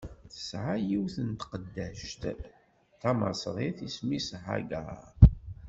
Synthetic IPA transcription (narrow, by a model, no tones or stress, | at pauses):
θə̥sʕajiwθənt̪qəd̪ːæʃt̪ | θæmɑ̰sðˤiθismisʕa̰ɡæ̰